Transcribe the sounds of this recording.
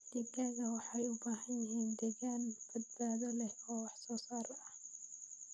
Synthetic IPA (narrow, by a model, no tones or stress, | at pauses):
d̪̥ɛɡaːɣɐwɑħɑjʊbaːɦɐnjɪɦiːnd̪ɛːɣaːnb̥ɐd̪̚baːðɐlɛhɔːwɑħsɔːsaːɾɐʔɐh